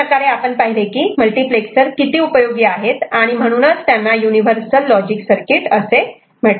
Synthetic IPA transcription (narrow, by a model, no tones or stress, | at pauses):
əkaɾeapəɳpəɦilekiːməlʈipleksəɾkit̪iːupəjoɡiaɦet̪aɽ̃im̤əɽ̃uːnət͡st̪janːajuniʋəɾsəlːɔd͡ʑiksəɾkiʈəse | m̤ə